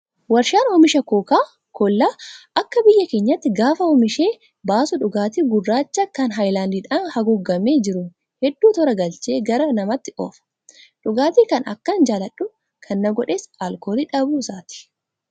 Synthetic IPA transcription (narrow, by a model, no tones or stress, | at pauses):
wɐɾʃaːnɔmɪʃɐkoːkaː | kɔlːaːʔɐkːɐbɪjːɐke̞ːɲːɐt̪ːɪɡaːfɐɔmɪʃe̞ː | baːsʊᶑʊɡaːt̪iːɡʊrːaːt͡ʃːɐkɐnɦɐjlaːnd̪iːᶑaːnhɐɡʊɡːɐmeːd͡ʒɪɾʊ | hɛd̪ːuːt̪ɔɾɐɡɐlt͡ʃe̞ːɡɐɾɐnɐmɐt̪ːɪʔɔ̰fɐ̥ | ᶑʊɡaːt̪iːkɐnɐ̰kːɐnd͡ʒaːlɐᶑʊ | kʰɐnːɐɡɔᶑeːsaːlkoːliᶑɐbuːsaːt̪ɪ̥